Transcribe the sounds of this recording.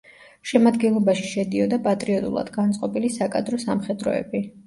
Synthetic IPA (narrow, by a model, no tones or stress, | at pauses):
ʃɛmad̪ɡɛnlˠɔbaʃi̥ʃɛd̪iɔd̪apʼat̪ʼɾiɔt̪ʼṵlˠa̰d̪̥ɡant̪sʼqʼɔpʼilisakʼad̪ɾɔsamχɛd̪ɾɔ̰ɛ̰bi